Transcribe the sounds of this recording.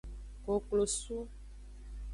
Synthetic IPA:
ko˨klo˨su˦

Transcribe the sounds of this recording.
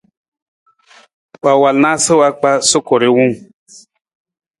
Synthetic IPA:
wa˨wa˨lna˦sə˦wa˧k͡pa˦so˦ko˨ɾe˦wu˦ŋ

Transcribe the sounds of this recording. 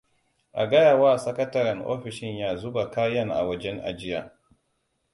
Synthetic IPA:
ʔa̰˨ɡɐ˦ja˨waː˦sɐ˦kɐ˦tɐ˦ɾɐ˨ŋʔo̰ː˦ɸɪ˨ʃɪ˦ɲjaː˦zʊ˦ba˨kaː˦jɐ˦˨ŋʔa̰˨wɐ˦d͡ʒɛ˦ŋʔa̰˨d͡ʒɪ˦jaː˨

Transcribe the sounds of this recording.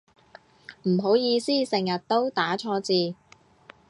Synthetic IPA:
m̩˨˩ɦo˨˥wjiː˧siː˥sɪ˨˩ŋjɐ˨t̚t̪o˥wt̪aː˨˥t͡ʃʰɔː˧t͡siː˨˧

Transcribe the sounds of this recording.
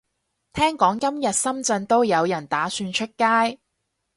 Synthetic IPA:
t̪ʰɛː˥ŋkɔː˨˥ŋkɐ˥mjɐ˨t̚sɐ˥mt͡sɐ˧nt̪o˥wjɐ˨˧wjɐ˨˩nt̪aː˨˥syː˧nt͡ʃʰɵ˥t̚kaː˥j

